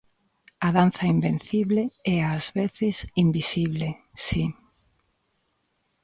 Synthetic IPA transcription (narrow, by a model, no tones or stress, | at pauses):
aðanθɐimbẽn̟θiβleɛazβeθɪsimbisiβlesi